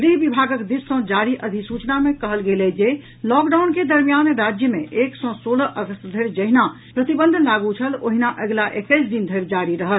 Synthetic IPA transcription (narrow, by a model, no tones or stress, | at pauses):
d̪iɦbibʱaɡəkd̪issɔ̃d͡ʒaɾiʔəd̪ʱisut͡ʃnamẽkəɦəlɡelɛd͡ʒe | lɔkɖawnked̪əɾmijanɾad͡ʒjəmẽʔeksɔ̃soɽəʔəɡəst̪d̪ʱəɾd͡ʒəɦina | pɾət̪ibə̃nd̪ʱlaɡut͡ʃʰəlo̰ɦinaʔəɡlaʔekəɪsd̪ind̪ʱəɾd͡ʒaɾiɾəɦəl